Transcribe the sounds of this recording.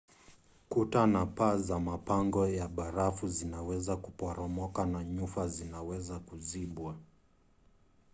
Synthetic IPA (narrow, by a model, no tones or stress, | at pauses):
kutanapazamapaŋɡɔjaɓaɾafuzinawɛzakupɔɾɔmɔkanaɲufazinawɛzakuziɓwa